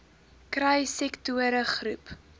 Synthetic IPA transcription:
kɾɐjsɛktuəɾəχrup

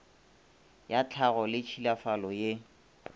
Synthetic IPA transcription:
jat͡ɬʰaɣɔlɪt͡ʃʰilafalɔje

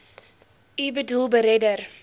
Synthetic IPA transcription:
ibədulˠbəɾɛdər

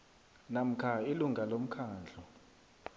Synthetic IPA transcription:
nam̩kʰailuŋɡʱalom̩kʰaːnd͡ɮʱɔ

